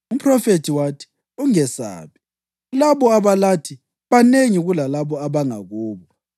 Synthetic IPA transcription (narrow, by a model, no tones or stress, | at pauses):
um̩pʰrɔfetʰiwatʰi̥ | uŋɛsa̰ːβi | laβɔaβalatʰi | βaneŋiɣulalaβɔaβaŋa̰ɣuːβɔ